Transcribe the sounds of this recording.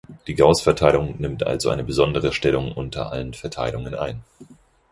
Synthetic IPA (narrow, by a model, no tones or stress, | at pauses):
d̥iːɡaʊsfɛɐtʰaɪlʊŋnɪmtʔa̰lzoʔa̰ɪnəbəzɔndəʁəʃtɛlʊŋʔʊntʰɐ̰ʔa̰lənfɛɐtʰaɪlʊŋənʔa̰ɪn